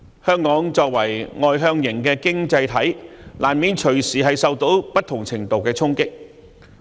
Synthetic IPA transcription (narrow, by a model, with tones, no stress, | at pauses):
hœː˥ŋkɔː˨˥ŋt͡ʃɔː˧k̚wɐ˨˩jŋɔː˨˧jɦœː˧ŋjɪ˨˩ŋkɛː˧kɪ˥ŋt͡sɐ˧jt̪ʰɐ˨˥jlʔaː˨˩nmiː˨˧nt͡ʃʰɵ˨˩ɥsiː˨ɦɐ˨jsɐ˨˧wt̪o˨˥wpɐ˥t̪ʰːʊ˨˩ŋt͡sʰɪ˨˩ŋt̪o˨˧wkɛː˧t͡sʰʊ˥ŋkɪ˥k̚